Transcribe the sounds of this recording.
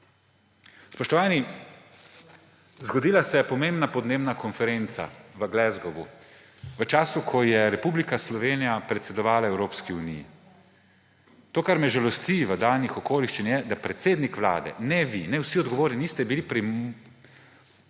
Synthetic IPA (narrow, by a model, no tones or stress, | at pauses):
spɔʃt̪ɔʋaːni | zɡɔd̪iːlasɛjɛpɔmembnapɔd̪neːbnakʰɔnfɛɾent̪sa̰ʋəɡlɛzɡɔʋu | ʋət͡ʃaːsukʰɔjɛɾɛpublikaslɔʋeːnijapɾɛt̪sɛd̪ɔʋaːlaɛwɾoːpskiunijḭ | t̪oːkaɾmɛʒalɔst̪iʋəd̪aːlnixɔkoːliʃt͡ʃinjɛd̪apɾɛt̪seːd̪nikʋla̰ːd̪ɛ̰nɛʋinɛwsiɔd̪ɡɔʋoːɾninist̪ɛbilipɾim